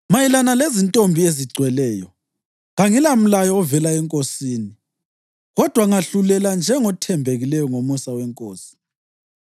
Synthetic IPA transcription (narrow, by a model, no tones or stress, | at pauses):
majilanalezintʼombʱieziɡ͡ǀʱwɛlɛːjɔ | ɣaŋilam̩lajɔːvɛlaɛŋkʼosiːni | ɣɔd̥ʱwaŋaɬulɛland͡ʒʱɛŋɔtʰɛmbʱeɣilɛjɔŋomusawɛŋkʼoːsi̥